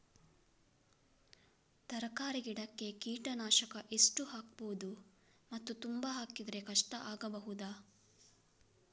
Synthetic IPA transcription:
t̪ɐɾɐkaːɾiɡiɽɐkːe̞kiːʈɐnaːʃɐkɐʔe̞sʈuɦaːk̚boːd̪u | mɐt̪ːut̪umbaɦaːkid̪ɾe̞kɐʂʈɐʔaːɡɐbɐɦud̪aː

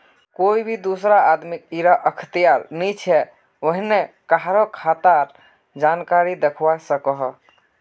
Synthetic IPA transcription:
koibʱid̪usɾaad̪mikiɾaʔəkʰt̪ijaɾnit͡ʃʰɛ | oɦinekaɦɾokʰat̪aɾ | d͡ʒankaɾid̪ekʰwasəkəɦ

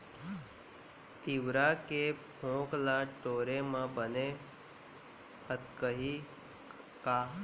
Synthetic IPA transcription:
t̪iʋɾakepʰõːklãʈoːɾemãbəne | hət̪kəɦi | ka

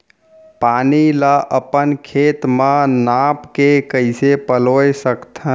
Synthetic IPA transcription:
paniləʔəpənkʰet̪mənapkekəɪsepəlojsəkt̪ʰə

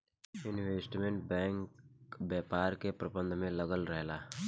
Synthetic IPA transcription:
ɪnʋeːsʈmẽɳʈ̚bɛ̃ːŋkbjaːpaːɾkepɾəbə̃nd̪ʱmẽləɡəlɾɛɦlaː

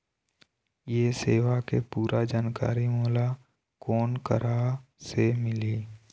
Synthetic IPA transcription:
jeseːʋakepuːɾad͡ʒaːnka̰ːɾimoːla | kɔːnkə̰ɾasemɪliː

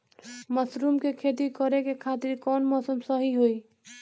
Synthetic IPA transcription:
məsɾumkekʰet̪̬ikɔɾekekʰat̪iɾkɔnmɔsəmsəɦiɦoi

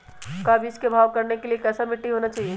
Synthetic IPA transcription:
kaːbʱiɪskebʱaːʋkɐɾnekeliekɛːsamɪʈːiɦoːnat͡ʃaːɦie

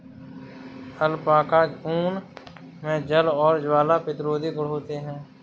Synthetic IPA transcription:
həlpaːkad͡ʒuːn | mɛ̃ːd͡ʒəlɔːɾd͡ʒwaːlapɪt̪ɾoːd̪iɡʊɽɦoːt̪eɦɛ̃ː

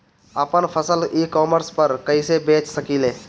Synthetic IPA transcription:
əpənpʰəsəliːkɔːməɾspəɾkəisebeːt͡ʃsəkiːleː

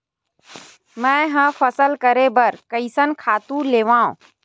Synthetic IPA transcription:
mɛ̃ɦə̃fʰəsəlkəɾebəɾkəɪsənkʰaːt̪ũleːʋãːõ̰

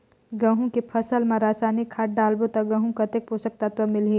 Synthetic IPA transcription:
ɡɐ̃ɦũkepʰɐsəlmẽɾaːsaːnikʰːaːʈ̚ɖaːlbot̪ɐɡɐ̃ɦũkɐt̪ek̚pusək̚t̪at̪ʋəmɪlɦi

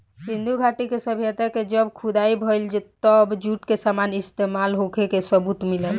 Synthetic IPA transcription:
sĩnd̪ʱuɡʱaʈikesəbʱjət̪aked͡ʒəbkʰud̪aibʱəjld͡ʒet̪əbd͡ʒuʈkesamanist̪emalɦokʰekesəbut̪milə

